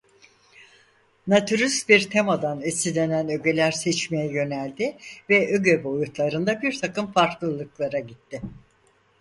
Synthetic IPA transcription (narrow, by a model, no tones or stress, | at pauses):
nat̪ʰyɾysbiɾt̪ʰemad̪anesid̪ʲe̞nænø̞ɟe̞lʲæɾsɛt͡ʃmejɛjø̞nælʲd̪ɪvɛʔøɟøbo̞jut̪lˠaɾɯnd̪abiɾt̪ʰakɯmfaɾklˠɯlˠɯklˠaɾaɟit̪ːɪ